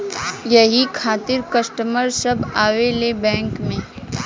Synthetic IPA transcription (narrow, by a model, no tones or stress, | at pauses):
jɐɦikʰaːt̪ɪɾkɐsʈəməɾsɐbaːʋelebɛ̃ːŋkmẽ